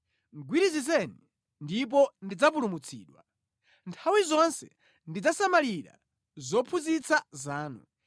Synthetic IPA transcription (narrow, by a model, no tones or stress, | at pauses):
ŋɡwiɾizizɛni | ndip̬ɔndid͡zapulumut͡sʰḭːɗwa̰ | ntʰawizɔnsɛ | ndid͡zasamaliɾa̰ | zɔpʰuzit͡sʰazaːnṵ